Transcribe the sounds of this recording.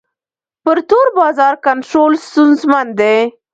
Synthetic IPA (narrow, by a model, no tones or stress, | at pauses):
pəɾt̪oɾbɑzɑɾkanʈɾolst̪unzmand̪e